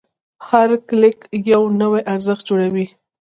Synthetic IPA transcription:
haɾklɪkjawnəwajʔaɾzəxt̪̚d͡ʒoɽawi

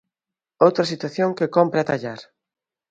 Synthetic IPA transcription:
owt̪ɾɐsit̪waθjoŋkekompɾaɛt̪aʎaɾ

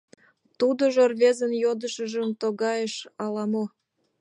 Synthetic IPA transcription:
t̪ud̪oʒorβezənjod̪əʃəʒəmt̪oɣɑjeʃɑlɑmo

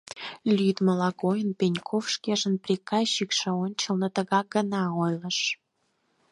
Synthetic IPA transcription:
lʲyd̪məlɑɣojənpʲenʲkʰofʃkeʒənprʲikɑɕːikʃə̆onʲt͡ɕəlnət̪əɣɑɡənɑojlə̆ʃ

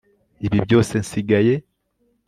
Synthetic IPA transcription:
iβibjo̞ːse̞nsiɡaje̞

